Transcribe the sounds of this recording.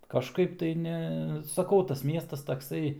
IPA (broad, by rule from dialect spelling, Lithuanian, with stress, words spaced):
kɐʃˈkɐɪp tɐɪ ˈnʲɛ sɐˈkɐʊ tɐs ˈmʲiɛstɐs tɐkˈsɐɪ